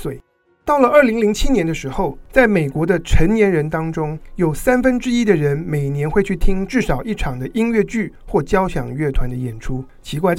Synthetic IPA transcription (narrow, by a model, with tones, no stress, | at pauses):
swe˨˩ɪ | t̪ɑ˥˩ʊlə˩ə˞˥˩li˧˥ŋli˧˥ŋt͡ɕʰi˥njɛ˧˥nd̪ə˧ʂɻ̩˧˥xo˥˧ʊt͡sa˥˩ɪme˨˩ɪkwɔ˧˥d̪ə˧ʈ͡ʂʰə˧˥ŋnjɛ˧˥nɻə˧˥nt̪ɑ˥ŋʈ͡ʂʊ˥ŋjo˨˩ʊsa˥nfə˥nʈ͡ʂɻ̩˥i˥d̪ə˨ɻə˧˥nme˨˩ɪnjɛ˧˥nxwe˥˧ɪt͡ɕʰy˥˩t̪ʰi˥ŋʈ͡ʂɻ̩˥˩ʂɑ˨˩ʊʔi˥˩ʈ͡ʂʰɑ˨˩ŋd̪ə˦ʔi˥nɥɛ˥˧t͡ɕy˥˩xwɔ˥˩t͡ɕjɑ˥ʊɕjɑ̰˨˩ŋɥɛ˥˩t̪ʰwa˧˦nd̪ə˧jɛ˨˩nʈ͡ʂʰu˥ | t͡ɕʰi˧˥kwa˥˧ɪ